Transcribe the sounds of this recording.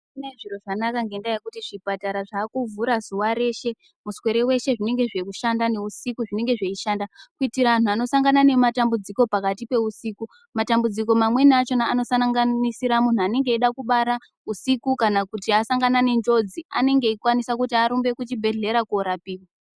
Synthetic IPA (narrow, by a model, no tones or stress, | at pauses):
ine̞ʐiɾo̞ʐanakaŋɡe̞ndajekutiʐipataɾaʐaːkuvuɾazuwaɾe̞ʃe̞ | muswe̞ɾe̞we̞ʃe̞ʐine̞ŋɡe̞ʐe̞kuʃandane̞usikuʐine̞ŋɡe̞ʐeiʃandakuitiɾaan̤uano̞saŋɡanane̞matambud͡ziko̞pakatipe̞usiːku | matambud͡ziko̞mamwe̞nat͡ʃo̞naːno̞sanaŋɡanisiɾamun̤uane̞ŋɡe̞iɗakuɓaɾa | usikukanakutiasaŋɡanane̞nd͡ʒo̞d͡zia̰ne̞ŋɡe̞ikwanisakutiaɾumbe̞kut͡ʃibʱe̞ɮe̞ɾakuoɾapiːwa